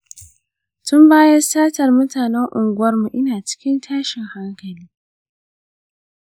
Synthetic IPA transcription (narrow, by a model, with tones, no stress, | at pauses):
tʊ˦mbaː˦jɐ˦saː˦tɐ˨rmʊ˦taː˨nɛ˦ŋʔʊ˨ŋɡʷʊ˦wɐ˦rmu˨ʔɪ˦naː˨t͡ʃɪ̥˦kʲɪ˦ntʰaː˦ʃɪ˨ŋha˦ŋkɐ˨liː˦